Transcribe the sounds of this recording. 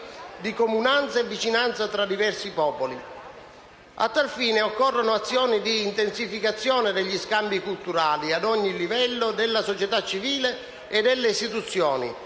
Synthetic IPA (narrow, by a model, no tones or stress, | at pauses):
d̪ikomunant̪saevːit͡ʃinant̪sat̪ɾad̪ivɛrsipɔːpoli | a̰t̪ːalfiːneɔkːɔrːonʊat̪sːjɔːnid̪iːnt̪ensifikat̪sːjɔːned̪eʎːiskambikult̪uɾaːliad̪ɔɲːilivɛlːod̪elːasot͡ʃɛt̪at͡ʃːiviːle | ed̪elːeist̪it̪ut̪sːjɔːnḭ